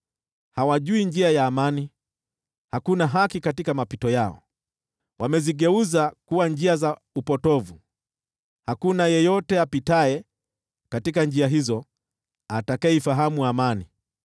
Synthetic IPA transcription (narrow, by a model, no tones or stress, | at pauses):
hawaʄuind͡ʒiajaːmani | hakunaɦakikatikamapitɔjaɔ̰ | wamɛziɠɛuzakuwand͡ʒiaza | upɔtɔvu | hakunajɛjɔtɛapitaɛ | katikand͡ʒiaɦizɔ | atakaifaɦamuamani